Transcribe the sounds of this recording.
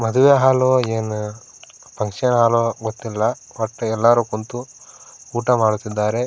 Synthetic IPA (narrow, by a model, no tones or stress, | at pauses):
mɐd̪uʋeɦaːloːeːn | pɐŋkʂɐnɦaːloːɡot̪ːilːɐʋɐʈːɛlːaːɾuːkont̪u | uːʈɐmaːɽut̪ːid̪ːaːɾe̞